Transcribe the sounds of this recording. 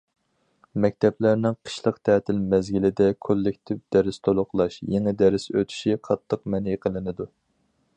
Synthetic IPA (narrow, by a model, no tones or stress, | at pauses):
mɛk̚ʲt̪ʰɛplæɾnɪŋqʰə̥ʃlˠəqt̪ʰɛːt̪ʰɪlmɛzɡʲilɪd̪ɛkʰolːɪkʲt̪ʰɪvd̪̥ɛɾɪst̪ʰolˠʊqlˠɑʃjeŋɪd̪æɾɪsøt̪ʰy̥ʃiqʰɑt̪ʰːəq̚mɛnjeqʰəlˠɨnɨd̪u